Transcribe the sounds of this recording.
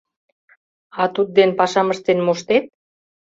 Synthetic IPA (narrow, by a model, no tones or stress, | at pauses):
ɑt̪ud̪̚d̪enpɑʃɑməʃt̪enmoʃt̪et̪̚